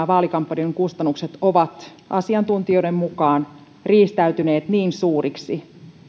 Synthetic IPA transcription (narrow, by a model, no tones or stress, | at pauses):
ʋɑːlikɑmpːɑnieŋkust̪ɑnːukset̪oʋɑt̪ | ʔɑ̰siɑnt̪unt̪iojdemmukɑːn | riːst̪æyt̪yne̞ːt̪niːnsuːriksi